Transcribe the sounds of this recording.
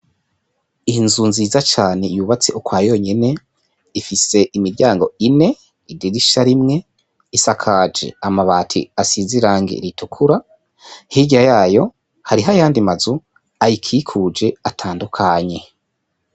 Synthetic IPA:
inzunziːzat͡ʃaːne̞juːβat͡seʔukwaːjo̞ɲe̞ne̞ | ifise̞ʔimiɾɟaːŋɡo̞ine̞ | idiɾiʃaɾimŋe̞ | isakʰaːd͡ʒe̞̰amaβaːtʰḭasiziɾaːŋɡḛɾitukʰuɾa | hiɟajaːjo̞ | haɾiɦajaːndimazu | ajikʰikʰud͡ʒe̞atʰaːndukʰaɲe̞

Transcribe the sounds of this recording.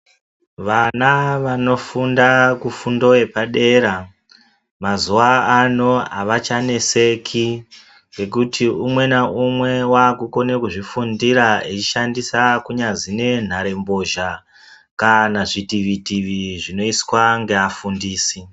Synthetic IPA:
ʋanaʋano̞fundakufundo̞epaɗe̞ɾa | mazuaano̞a̰ʋat͡ʃane̞sekʰi | ŋɡe̞kutʰiumwe̞naumwe̞waːkuko̞ne̞kuʐifundiɾait͡ʃiʃandisakuɲad͡zine̞n̤aɾe̞mbo̞ʒa | kanaʐitiʋitiʋiʐino̞iswaŋɡe̞afundiːsi

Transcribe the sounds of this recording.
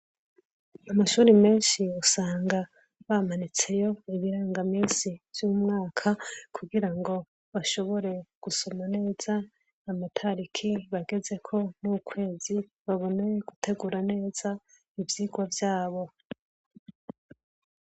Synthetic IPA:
amaʃuːɾime̞ːnʃiusaːŋɡa | βamanit͡se̞jo̞iβiɾaːŋɡamiːnsivjuːmŋaːkʰakʰuɡiɾaŋɡo̞ | βaʃo̞βo̞ɾe̞ɡ̥uso̞mane̞ːz̥a | namatʰaɾikʰiβaɡe̞ze̞kʰo̞nukʰwe̞ːzi | βaβo̞ne̞ɡ̥utʰe̞ɡuːɾane̞ːz̥a | ivjiːɡwavjaːβo̞

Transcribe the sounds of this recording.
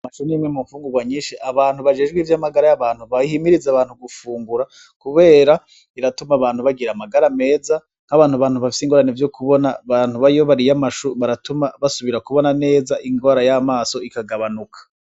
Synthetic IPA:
amaʃuniimŋemuɱfuːŋɡuɡwaɲiːʃiʔaβaːnhuβad͡ʒe̞ːd͡ʒɡwiːvjamaɡaɾajaβaːnhuβaihimiɾizaβaːnhuɡufuːŋɡuɾa | kuβe̞ːɾa | iɾatumaβaːnhuβaɡiɾamaɡaɾame̞ːza | ŋ̥aβaːn̥huβaːnhuβafi̥siːŋɡo̞ːɾanevjo̞kʰuβo̞naβan̥huβaijoβaɾijamaʃuβaɾatumaβasuβiɾakuβo̞nane̞ːzaʔiŋɡoɾajamaːso̞ikaɡaβanukʰḁ

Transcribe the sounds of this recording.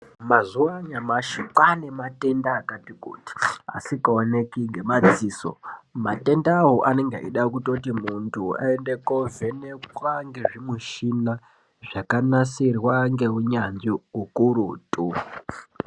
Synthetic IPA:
mazuwaɲamaʃikwanemate̞ndaːkatikṵːti̥a̰sikaonekiŋɡe̞mad͡ziːso̞̰mate̞ndaːwoʔaneŋɡḛʔḭɗakutotimuntʰua̰endekovenekwaŋɡe̞ʐimuʃina | ʐakanasirwaŋɡe̞ɦuɲanʐiɦukuɾuːtʼu

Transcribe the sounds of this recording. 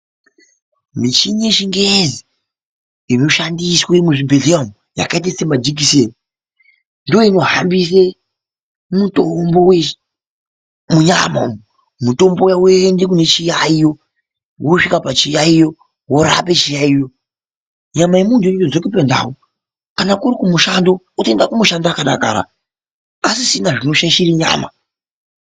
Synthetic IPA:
mit͡ʃiɲeʃiŋɡezi | inoʃandiswe̞muʐibʱeɮiamu | ja̰kaet̬esemad͡ʒik̬ise | ndoino̞ɦambise | mutombowe | muɲama̰m | muto̞mbo̞jawendekune̞t͡ʃijaijo̞ | woʂikapat͡ʃijaijo̞ | woɾa̰pe̞t͡ʃijaijo̞ | ɲamajemuntuiozokipenda̰wo | kanakuɾikumuʃando̞ | utendakumuʃandaːkaɗa̰ka̰ːɾa̰ | asisinaʐinoʃaʃiɾiɲa̰ːma̰

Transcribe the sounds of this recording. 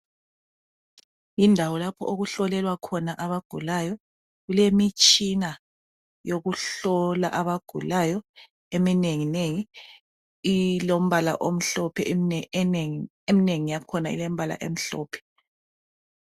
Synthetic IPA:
indʱawɔlapʰɔ̰ʔoɣuɬɔlɛlwakʰɔnaʔaβaɡ̥ʱulajɔ | ɣulemit͡ʃʼina | joɣuɬɔlaʔaβaɡ̥ʱṵlajɔ | emineŋineŋi | ilom̩βala̰ʔom̩ɬɔpʰɛ | emineŋijakʰɔnaḭlem̩βala̰ʔḛm̩ɬɔ̰ːpʰɛ̥

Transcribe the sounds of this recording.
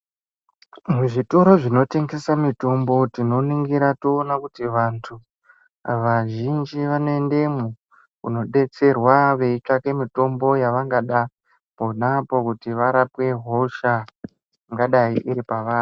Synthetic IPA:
muʐito̞ɾo̞ʐino̞te̞ŋɡe̞samito̞mbo̞tino̞niŋɡiɾatoːnakutiʋantʰu | ʋaʒind͡ʒiʋanoe̞nde̞mu | kṵno̞ɗe̞t͡se̞rwaʋe̞it͡ʂake̞mito̞mbo̞jaʋaŋɡaɗa | ponapo̞kutiʋaɾapwe̞ɦo̞ʃa | ŋɡaɗaiʔiɾipaʋaːni

